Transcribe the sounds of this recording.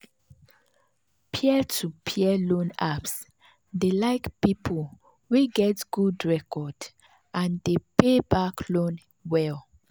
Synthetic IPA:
pʰiɛtʰupʰiɛlõnaps | delaɪkpipʰol | wiɡɛtɡ̥udɹɛkɔd | ʔãndepebakʰlõn | wɛl

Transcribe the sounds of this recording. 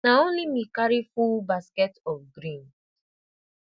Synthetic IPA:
naonimikaɾifulbaskɛtɔfɡɾĩn

